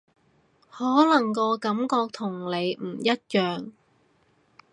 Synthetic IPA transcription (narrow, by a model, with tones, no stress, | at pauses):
hɔː˨˥lɐ˨˩ŋkɔː˧kɐ˨˥mkɔː˧k̚t̪ʰʊ˨˩ŋle˨˧jm̩ː˨˩jɐ˥t̚jœː˨ŋ